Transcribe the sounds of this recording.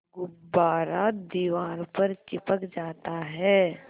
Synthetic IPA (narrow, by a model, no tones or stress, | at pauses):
ɡʊbaːɾad̪iʋaːɾpəɾt͡ʃɪpəkd͡ʒaːt̪aɦɛː